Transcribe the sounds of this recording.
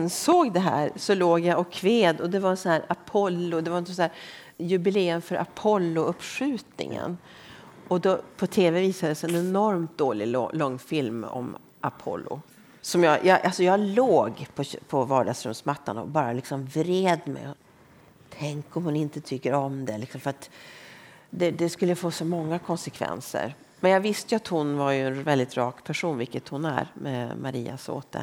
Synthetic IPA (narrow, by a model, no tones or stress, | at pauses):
nsoːɡd̪ɛɦæ̰ːɾsɔloːɡjaʔɔkʰːveːd̪ɔd̪ɛvaɾɛnsɔnhæːɾapʰɔlːʊd̪ɛvaɾsɔæːɾ | jɵbɪleːəmfœɾʔa̰pʰɔlːʊɵpːʂʉ̟ːt̪nɪ̰ŋə̰n | ɔd̪ɔpʰɔt̪ʰeːvɛviːsad̪əsɛnɛnɔɾmt̪̚d̪oːlɪlɔŋːfɪlmɔ̰m | ʔa̰pʰɔ̰lːʊ̰ | sɔmjɑjʔɑʔalsɔjɑːloːɡpʰɔpʰɔvɑːɖaɡsɾɵmsmat̪ːanɔ̰bɑːɾalɪksɔmvɾeːd̪mɛ̰jɔ | t̪ʰɛŋkɔmhʊnɪnt̪ət̪ʰʏkːəɾɔmd̪ɛlɪksɔmfəɾat̪ | d̪ɛd̪ɛskɵlːəfoːsɔmɔŋːakʰɔnsɛkʰvɛ̰nsə̰ɾ | mɛnjɑvɪst̪əjɵat̪hʊnvaɾjɵɛnvɛld̪ɪt̪ɾɑ̰ːkpʰæʂuːnvɪlkːət̪hʊnæ̰ɾmɛ̰maɾḭːa̰so̰ːt̪ʰə̰